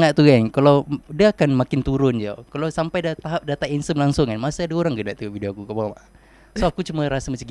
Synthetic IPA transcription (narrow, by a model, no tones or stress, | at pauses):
ŋat̪uɡaŋkalawdiəakanmakɪnt̪uɾʊnd͡ʒa̰kalawsampajdat̪aɦap̚dat̪ainsəmlaŋsʊŋanmasaadaoɾaŋɡənaʔt̪ufideokukabalmaʔ | soakut͡ʃumaɾasamat͡ʃaŋɡ